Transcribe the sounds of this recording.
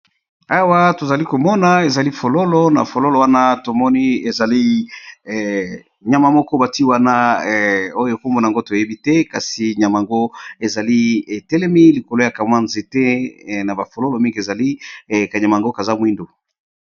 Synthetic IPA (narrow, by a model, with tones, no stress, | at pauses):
a˦wa˦to˨za˨li˦ko˨mɔ˦na˨e˨za˨li˦fo˨lo˦lo˦na̰˨fo˨lo˦lo˨wa˦na˦to˨mɔ˦ni˦e˨za˨li˦˨ | ɲa˨ma˨mɔ˦kɔ˦ba˨ti˦wa˦na˦˨ | o˦jo˨e˨ko˦mɔ˦na˨ŋɡo˦to˨je˦bi˦tɛ˦ka˨si˨ɲa˨ma˨ŋɡo˦e˨za˨li˦e˨tɛ˦lɛ˦mi˦li˨ko˨lo˨˦ja˨ka˨mwa˦nze˨tɛ˦˨na˨ba˨fo˨lo˦lo˨mi˦ŋɡi˨e˨za˨li˦ka˨ɲa˨ma˨ŋɡo˦ka˨za˦mwi˦ndo˨